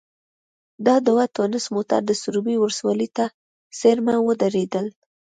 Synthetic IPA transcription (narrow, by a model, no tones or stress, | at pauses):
d̪ɑd̪awat̪onɪsmot̪a̰ɾd̪əsʊɾubiwɾswɑlit̪a | seɾmawəd̪aɾed̪əl